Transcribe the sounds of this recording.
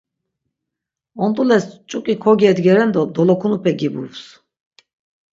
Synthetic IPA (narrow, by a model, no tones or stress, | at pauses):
ɔnd̪ulɛst͡ʃʼukʼikʰɔɡɛd̪ɡʲɛɾɛnd̪ɔd̪ɔlˠɔkʰunupɛɡibṵvs